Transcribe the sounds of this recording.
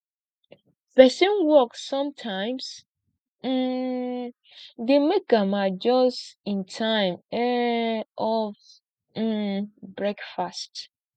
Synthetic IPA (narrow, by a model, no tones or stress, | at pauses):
pɛsɔ̃nwɔksɔ̃mtʰãɪ̃ms̩ | demek̚ɡamad͡ʒɔsĩntʰãɪ̃mɛ | ɔv̩ | bɹɛkfast